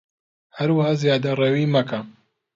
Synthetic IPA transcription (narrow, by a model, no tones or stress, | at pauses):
hɐɾwəhaːzjaːd̪ɐreːwimɐka